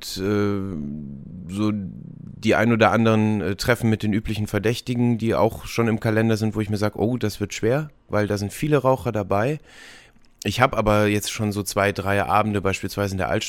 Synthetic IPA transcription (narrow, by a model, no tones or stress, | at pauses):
tʔɛː | zoː | d̥iːʔa̰ɪnoːdɐʔandəʁənɛːtʁ̥ɛfn̩mɪt̚d̥eːnʔyːplɪçn̩fɛɐdɛçtɪɡŋ̩diːʔa̰ʊxʃoːnɪmkʰalɛndɐzɪntv̥oːɪçmiːɐzaːɡəʔoːd̥asv̥ɪɐtʃv̥eːɐ | vaɪldaːzɪntfiːləʁaʊxɐdabaɪ | ʔɪçhaːbəʔaːbɐjɛt͡stʃoːnzoːt͡sv̥aɪdʁaɪʔa̰ːbm̩dəbaɪʃpiːlsv̥aɪzəɪndeɐ̰ʔa̰ltʃ